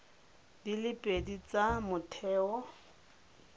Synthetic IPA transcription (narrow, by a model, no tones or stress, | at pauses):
dilɪpʼedit͡samʊtʰɛːɔ